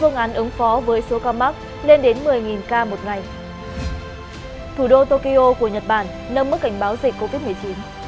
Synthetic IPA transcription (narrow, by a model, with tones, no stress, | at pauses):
fɨ˧əŋʔaː˨˦nʔɨ˨˦ŋfɔ˨˦vəː˨˦jso˨˦kaː˧ma˦˥k̚ | le˧nɗe˨˦nmɨ˨˩əjŋi˨˩nkaː˧mo˨˩t̚ŋa˨˩j | t̪ʰu˧˩ɗo˧t̪o˧ki˧ʔo˧ku˧˩əɲə˨˩t̚ɓaː˧˩n | nə˧mː˦˥t̚ka˧˩ŋ̟ɓaː˨˦wzi˨˩k̟̚ko˧vi˦˥t̚mɨ˨˩əjt͡ɕi˨˦n